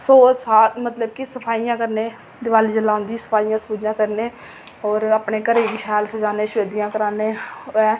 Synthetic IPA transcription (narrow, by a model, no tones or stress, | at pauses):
soːt͡ʃsaːt̪mət̪ləbkɪsəpʰaːijãːkəɾneː | d̪ɪʋaːliːd͡ʒəlaːʊ̃nd̪iːsə̥pʰaːijãːspuːd͡ʒjãːkəɾneː | ɔːɾaːpneːkəɾeːɡiːʃɛːlsəd͡ʒaːneːʃʊʋeːd̪ijãːkəɾaːneːɛː